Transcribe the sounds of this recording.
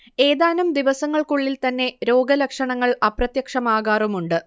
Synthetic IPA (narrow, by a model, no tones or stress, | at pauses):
e̞ːðaːnɐmd̪iʋɐsɐŋːɐɭkuɭːilt̪ɐnːe̞ɾo̞ːɡɐlɐkʂɐɳɐŋːɐɭɐprɐt̪jɐkʂɐmaːɣaːrumuɳɖɨ